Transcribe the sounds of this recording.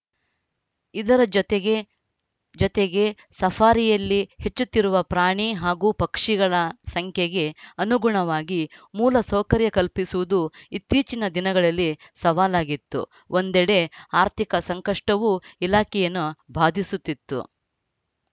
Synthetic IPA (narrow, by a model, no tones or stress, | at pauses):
id̪ɐɾɐeɡ | d͡ʒɔt̪eɡe | sɐfʰaːɾijɐlːihe̞t͡ʃːut̪ːiɾuʋɐpɾaːɳiɦaːɡuːpɐkʂiɡɐɭɐsɐŋkʰjeɡe̞ɐnuɡuɳɐʋaːɡimuːlɐsɐwkɐɾjɐkɐlpisuʋud̪uit̪ːiːt͡ʃinɐd̪inɐɡɐɭɐlːi | sɐʋaːlaːɡit̪ːṵ | ʔond̪ɛɽe̞aːɾt̪ʰikɐsɐŋkɐʂʈɐʋuilaːkɛjɐnːubʱaːd̪ʱisut̪ːit̪ːṵ